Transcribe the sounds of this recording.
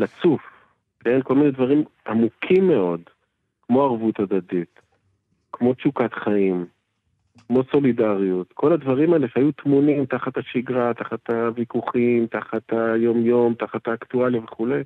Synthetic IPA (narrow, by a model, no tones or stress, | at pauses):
lat͡suf | ke̞nko̞lminedvaʁimʔamukʰimːeo̞d | kmo̞aʁvut̪ad̪adit | kmo̞t͡ʃukat̪χaim | kmo̞so̞lidaʁijut̪kʰo̞ladvaʁimaeleʃajut̪munimtaχat̪haʃiɡʁat̪aχat̪avikuχimt̪aχat̪ajo̞mjo̞mt̪aχat̪aːktualive̞χule̞j